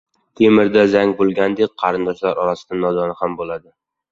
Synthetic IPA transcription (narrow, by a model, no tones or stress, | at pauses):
t̪ʰe̞mɪɾd̪azaŋʲbolˠɡʲand̪ek̚ʲqʰɑɾɪnd̪ɒʃlaɾʔɒɾasɪd̪anɒd̪ɒnɪhambolad̪ɪ